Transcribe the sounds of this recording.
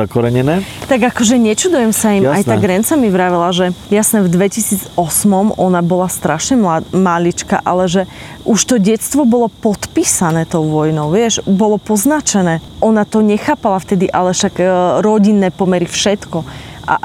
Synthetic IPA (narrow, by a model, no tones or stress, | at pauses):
akɔɾɛɲɛnɛːt̪aɡakɔʒɛɲɛt͡ʃud̪ujɛmsaimajt̪aɡɾɛnt͡samiʋɾaʋɛlaʒɛjasnɛvd̪ʋɛcisiːd͡zɔsmɔmɔnabɔlast̪ɾaʃɲɛmalit͡ʃka̰ʔalɛʒɛ | ʔuʃt̪ɔɟɛst̪ʋɔbɔlɔpɔt̪piːsanɛːt̪ɔʊʋɔjnɔʊʋɪɛʃbɔlɔpɔznat͡ʃɛnɛːʔɔnat̪ɔɲɛxaːpalaft̪ɛd̪iʔalɛʃaɡɾɔɟinːɛːpɔmɛɾifʃɛt̪kɔʔa̰